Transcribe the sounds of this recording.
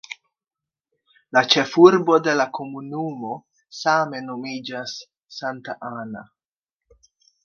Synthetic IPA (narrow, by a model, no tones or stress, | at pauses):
lat͡ʃe̞fuɾbo̞de̞lako̞munumo̞ | same̞nomid͡ʒasː | antaʔana̰